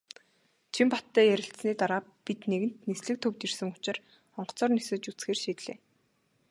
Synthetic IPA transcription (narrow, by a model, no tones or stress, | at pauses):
t͡ɕʰimpat̪ːæːjæɾʲɪ̆ɬsniːt̪aɾaːpit̪neɣɘ̆n̥t̪nesɮɘ̆k̚t̪ʰɵwt̪irsɘ̆ŋʊt͡ɕɪ̆r | ɔɴɢɞ̥̆t͡sɔːrnesɘ̆t͡ɕut͡sxeːrʃiːt̪ɮḛː